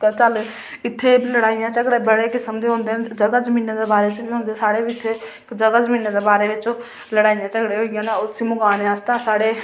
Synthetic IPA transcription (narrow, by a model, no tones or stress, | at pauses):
t͡ʃəl | ɪt̪ʰːeːbləɽaːɪjãːt͡ʃəkɽeːbəɽeːkɪsəmd̪eːɦõːnd̪eːd͡ʒəɡaːd͡ʒəmiːned̪eːbaːɾeːt͡ʃəbiːɦõːnd̪esaːɽeːbiɪt̪ʰːe | kd͡ʒəɡaːzəmĩːneːd̪eːbaːɾeːʋɪt͡ʃː | ləɽaːɪjãːt͡ʃəɡɽeːɦoːɪjãːnaʊsiːmʊɡaːneast̪ãsaːɽeː